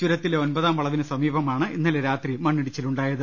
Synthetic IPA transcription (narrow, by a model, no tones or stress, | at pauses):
d͡ʑuɾɐt̪ːileonbɐðaːmʋɐɭɐʋinɨsɐmiːbɐmaːɳɨinːɐleɾaːt̪rimɐɳːiɽit͡ɕːiluɳɖaːjɐðɨ